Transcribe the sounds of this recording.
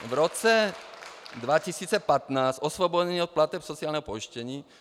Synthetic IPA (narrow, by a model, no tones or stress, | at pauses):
vɾɔt͡sɛ | d̪ʋacisiːt͡sɛpat̪naːsɔsʋɔbɔɟɛniːɔt̪̚plat̪ɛpsɔt͡sialnɛɦɔpɔiʃcɛɲiː